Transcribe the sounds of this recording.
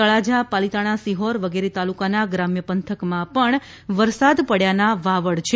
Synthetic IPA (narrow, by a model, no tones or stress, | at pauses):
əɭad͡ʒapalit̪aɽ̃asiɦoɾʋəɡeɾet̪alukanaɡɾamjəpənt̪ʰəkmãpəɳ | ʋəɾsad̪pəɽjanaʋaʋəɽt͡ʃʰe